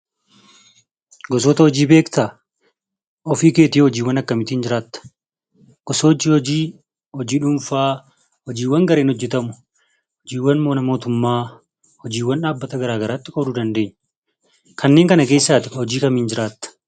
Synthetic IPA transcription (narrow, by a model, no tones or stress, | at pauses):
ɡɔs̬oːt̪ɐhɔd͡ʒiːbe̞ːkt̪a | ʔɔfiːke̞ːt̪iːhɔd͡ʒiːwɐnɐkːɐmɪt̪iːnd͡ʒɪɾaːt̪ːɐ̥ | ɡ̥ɔsoːd͡ʒiːhɔd͡ʒiː | hɔd͡ʒiːᶑʊmfaː | hɔd͡ʒiːwːɐŋɡɐɾe̞ːnhɔd͡ʒːɛt̪ɐmʊ̥ | hɔd͡ʒiːwːɐnmoːnɐmo̞ːt̪ʊmːaː | hɔd͡ʒiːwːɐnᶑaːbːɐt̪ɐɡɐɾaːɡɐɾaːt̪ːɪkɔbɾuːd̪ɐnd̪e̞ːɲː | kʰɐnːeːŋkɐnɐk̬e̞ːsːaːt̪ɪhɔd͡ʒiːkɐmiːnd͡ʒɪɾaːt̪ːɐ̥